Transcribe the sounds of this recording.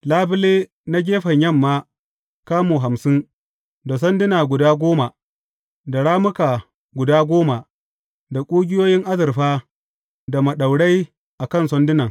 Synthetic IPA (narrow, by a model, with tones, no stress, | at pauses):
laː˦bɪ˦leː˦ | na˦ɡʲeː˦ɸɐ˨ɲjɐ˦˨mːaː˦ | kaː˦muː˨ɦa˨msɪ˦ŋ | da˨s̬ɔ˦ndɪ˦naː˨ɡʷʊ˨daː˦ɡʷoː˦ma˨ | da˨ɽaː˦mʊ˦kaː˨ | ɡʷʊ˨daː˦ɡʷoː˦ma˨ | da˨kʷʼuː˦ɡʲɪ˦joː˦jɪ˦ŋʔa˦zɐ˨rɸaː˦ | da˨mɐ˨ɗa˨wɽa˦j | ʔa˨kɐ˦˨nsɔ˦ndɪ˦nɐ˨ŋ